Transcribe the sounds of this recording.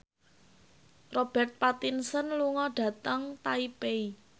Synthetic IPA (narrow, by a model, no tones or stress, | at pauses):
rob̥ɛ̤rt̪̚pat̪insənluŋɔɖ̥ä̤t̪əŋt̪aipei